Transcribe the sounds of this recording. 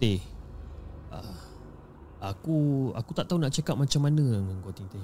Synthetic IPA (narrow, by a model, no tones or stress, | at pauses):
t̪e | a̰ | akua̰kut̪aʔt̪aunaʔt͡ʃakap̚mat͡ʃamanəaŋəŋɡot̪iŋt̪e